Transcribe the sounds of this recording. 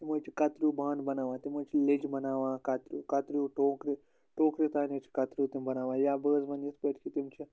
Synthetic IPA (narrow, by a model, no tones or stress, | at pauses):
t̪imoːt͡ʃʰikɐt̪ɾubaːnbɐnaːʋãːt̪imoːt͡ʃʰiled͡ʒbɐnaːʋãːkɐt̪ɾukɐt̪ɾuːʈoːkɾi | ʈoːkɾit̪aːnet͡ʃʰi̥kɐt̪ɾuːt̪imbɐnaːʋãːjaːbəːzmɐnispeʈkʰit̪imt͡ʃʰi